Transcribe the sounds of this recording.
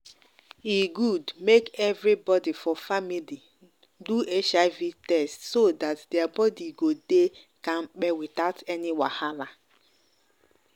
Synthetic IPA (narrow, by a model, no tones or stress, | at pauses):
iɡudmekɛvɾibɔdifɔfamili | duet͡ʃaɪvitɛstsodatdeabɔdiɡode | kãn̩k͡pɛwitaʊtɛnɪwa̰hala